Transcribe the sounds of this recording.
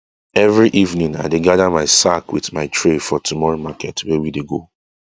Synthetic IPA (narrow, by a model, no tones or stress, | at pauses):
ɛvɹiʔivnĩŋa̰ɪdeɡaðamaɪsakwḭθmaɪtʰɹefɔtʰumɔɹomakʰɛtwɛwideɡo